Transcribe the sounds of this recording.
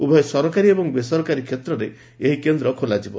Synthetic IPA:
ubʱɔesɔɾɔkaɾiebɔŋbesɔɾɔkaɾikʰjet̪ɾɔɾe | eɦikend̪ɾɔkʰolad͡ʒibɔ

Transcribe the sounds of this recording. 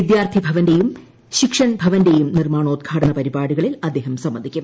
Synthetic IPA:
ʋid̪jaːrt̪ʰibʱɐʋɐndejum | ɕikʂɐnbʱɐʋɐndejumnirmaːɳoːd̪̚ɡʰʱaːʈɐnɐpɐɾibaːɽuɣɐɭilɐd̪ːeːɦɐmsɐmːɐd̪ikʲːum

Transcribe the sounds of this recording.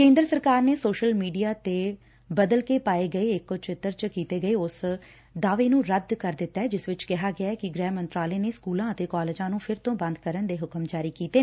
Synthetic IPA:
kẽːnd̪ɾəsəɾkaːɾneːsoːʃəlmiːɖijaːt̪eː | bəd̪əlkeːpaːeːɡəeːɪkːot͡ʃɪt̪ːəɾt͡ʃkiːt̪eːɡəeːʊs | d̪aːʋeːnũːɾəd̪kəɾd̪ɪt̪ːaɛːd͡ʒɪsʋɪt͡ʃkɪɦaːɡɪaːɛːkɪɡɾɛːmənt̪ɾaːleːneːskuːlãːət̪eːkaːlɪd͡ʒãːnũːpʰɪɾt̪õːbə̃nd̪kəɾənd̪eːɦʊkəmd͡ʒaːɾiːkiːt̪eː

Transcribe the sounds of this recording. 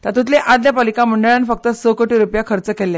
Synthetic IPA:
t̪at̪ũt̪leʔad̪japalikãm̤əɳɖəɭanfək̚t̪əsəkoʈiɾupjakʰəɾt͡səkelːe

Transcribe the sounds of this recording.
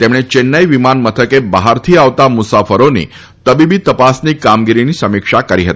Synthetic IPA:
t̪emɽ̃et͡ɕenːəjʋimanmət̪ʰəkebaɦaɾt̪ʰiːaʋt̪amusafəɾonḭ | t̪əbibiːt̪əpasniːkamɡiɾiniːsəmikʂakəɾiɦət̪i̥

